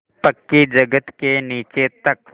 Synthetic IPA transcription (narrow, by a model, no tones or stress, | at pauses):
pɐkːid͡ʒɐɡət̪keniːt͡ʃet̪ɐk